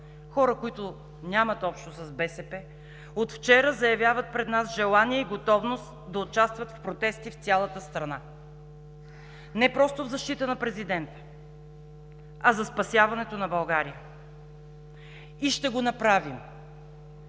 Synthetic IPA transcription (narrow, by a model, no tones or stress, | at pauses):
xɔɾəkoit̪ʊ | nʲamɐt̪ɔpʃt̪osɐzbɛsɛpɛ | ot̪ft͡ʃɛɾəzɐjɐvjavət̪̚pɾɛd̪nasʒɛlˠanijɛiɡot̪ɔvnost̪d̪ɐot͡ʃast̪vɐt̪fpɾot̪ɛst̪ift̪sʲalˠɐt̪əst̪ɾɐna | nɛpɾɔst̪ovzɐʃt̪it̪ənɐpɾɛzid̪ɛnt̪ə̥ | ɐzɐspɐsʲjavɐnɛt̪onɐbɐlˠɡaɾijə | iʃt̪ɛɡonɐpɾavim